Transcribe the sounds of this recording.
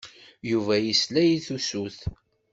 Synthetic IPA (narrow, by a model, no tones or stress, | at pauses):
juvæjislæjiθusuθ